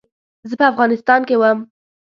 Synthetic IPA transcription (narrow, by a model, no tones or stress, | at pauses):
zəpəafɣɑnɪst̪ɑnkewəm